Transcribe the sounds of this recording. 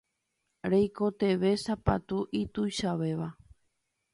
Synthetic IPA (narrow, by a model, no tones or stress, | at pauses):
ɾejkot̪e̞ʋe̞sapa̰t̪uʔit̪ujʃaʋe̞ʋa